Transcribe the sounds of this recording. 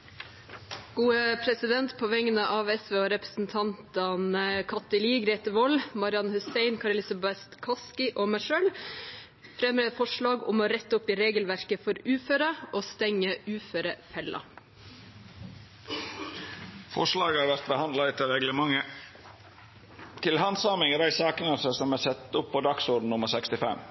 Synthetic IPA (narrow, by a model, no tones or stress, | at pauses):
ɡ̥uːəpʰɾɛsɪd̪ɛnt̪pʰoːʋɛŋənəʔɑːʋɛsʋeːoːɾɛpɾəsn̩t̪ʰɑnt̪ɑnəkʰɑt̪əliːɡɾeːt̪əʋɔlmɑɾɪɑnhʉseɪnkʰɑɾɛlɪsɑbɛst̪kʰɑskɪʔoːmæʃøːl | fɾɛmɾeːfɔʂɭɑːɡʊ̰moːɾɛt̪ːəʊpiːɾeːɡəlʋæɾkəfɔɾʉːføːɾəʔoːst̪ɛŋːəʉːføːɾəfɛlʔɑ̰ | fɔ̰ʂlɑːɡəhɑɾʋæɾt̪̚bəhɑnd̪lɑɪt̪ʰɪɾɛɡləmɑŋə | t̪ʰɪlhɑnsɑmɪŋəd̪æɪsɑːkənəsəsɔmæsɛt̪ːʊpʰːɔd̪ɑksuːɖn̩nʊməɾsɛkst̪ɪfɛ̰m